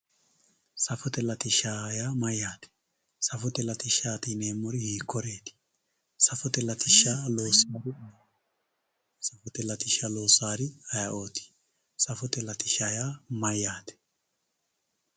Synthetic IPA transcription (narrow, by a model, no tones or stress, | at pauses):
sɐfɔt̪ɛlɐt̪ɪʃaːjaːmɐjːaːt̪ɛ̥ | sɐfɔt̪ɛlɐt̪ɪʃaːt̪ɪne̞ːmːɔɾɪhiːkːɔɾeːt̪ɪ̥ | sɐfɔt̪ɛlɐt̪ɪʃaːlo̞ːsaːɾɪɐj | sɐfɔt̪ɛlɐt̪ɪʃalo̞ːsaːɾɪɐjɐʔo̞ːt̪ɪ̥ | sɐfɔt̪ɛlɐt̪ɪʃaːjaːmɐjːaːt̪ɛ̥